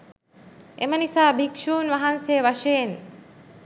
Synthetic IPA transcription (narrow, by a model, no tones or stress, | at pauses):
ḛmənisaːbʱikʃuːnʋaɦansejʋaʃejen